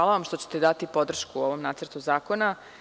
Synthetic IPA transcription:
aːlaʋamʃt̪o̞t͡ɕe̥t̪ed̪at̪ipo̞d̪r̩ʃkuo̞ʋo̞mnaːt̪sərt̪uzaːko̞na

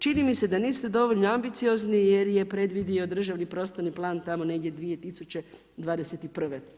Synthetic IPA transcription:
t͡ʃinimise̞d̪aniːst̪ed̪o̞ʋo̞ʎʲnoambit̪sio̞znije̞ɾje̞pɾe̞d̪ʋid̪io̞d̪r̩ʒaʋnipɾo̞st̪oɾniplˠaːnt̪amo̞ne̞ɡdʲed̪ʋije̞t̪isut͡ɕe̞ | d̪ʋaːd̪eset̪ipr̩ʋe

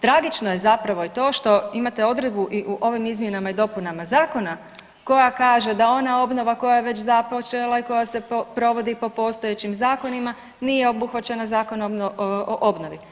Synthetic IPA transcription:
t̪ɾaɡit͡ʃno̞je̞zapɾaʋo̞it̪o̞ːʃt̪o̞imat̪e̞o̞d̪ɾed̪̚buʔiʔuʔo̞ʋimizmje̞namaid̪o̞punamazaːko̞na | ko̞jakaːʒe̞d̪ao̞nao̞bno̞ʋako̞jajeʋe̞t͡ɕzapot͡ʃelˠaiko̞jase̞popɾo̞ʋo̞d̪ipo̞po̞st̪oje̞t͡ɕimzaːko̞nima | nije̞o̞buxʋat͡ʃe̞nazaːko̞nooʔo̞bno̞ʋi

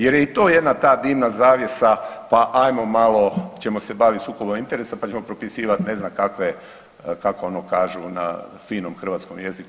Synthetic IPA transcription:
je̞ɾjeit̪oːje̞d̪nat̪aːd̪iːʋnazaːʋje̞sapaʔajmo̞malˠo̞t͡ɕe̞mo̞se̞baʋit̪suːko̞bomint̪e̞ɾesapat͡ɕemo̞pɾo̞pisiːʋat̪ne̞znamkakʋe | kakoonokaːʒuna̰fiːno̞mxr̩ʋat̪skomjeziku

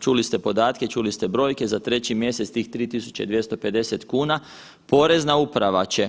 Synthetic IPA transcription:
t͡ʃulist̪e̞po̞d̪aːt̪ke̞t͡ʃulist̪e̞bɾo̞ːjke̞zat̪ɾe̞t͡ɕimje̞sest̪iːxt̪ɾiːt̪isu̥t͡ɕe̞̰d̪ʋje̞st̪o̞pe̞d̪e̞se̞t̪kuːna | po̞ɾe̞znaupɾaʋat͡ɕe̞

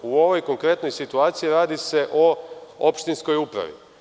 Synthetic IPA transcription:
uo̞ʋo̞jko̞ŋkɾe̞t̪no̞jsit̪uaːt̪sijiɾaːd̪ise̞ʔoopʃt̪insko̞jupɾa̰ʋḭ

